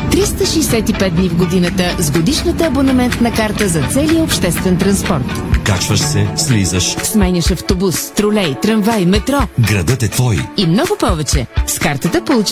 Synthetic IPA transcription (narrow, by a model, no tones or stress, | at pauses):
t̪ɾist̪əʃɛjsɛt̪ipɛd̪̚d̪nivɡod̪inət̪əzɡod̪iʃnət̪əɐbonɛmɛnt̪nɐkaɾt̪əzɐt̪sɛlijəopʃt̪ɛst̪vɛnt̪ɾɐnspɔɾt̪kat͡ʃvəʃsɛslizəʃsmɛnʲɐʃɐft̪obusːt̪ɾolɛjt̪ɾɐnvajmɛt̪ɾɔɡɾɐd̪ət̪ɛt̪vɔjimnɔɡʊpɔvɛt͡ʃɛskaɾt̪ət̪əpolˠut͡ʃ